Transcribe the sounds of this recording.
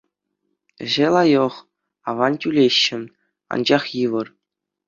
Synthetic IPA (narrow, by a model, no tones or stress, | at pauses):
ɘ̰̆ʑelˠɑjɤ̆χ | ɑʋɑntʲylʲeɕːɘ̆ | ɑ̰nd͡ʑɑχjɯʋɤ̆r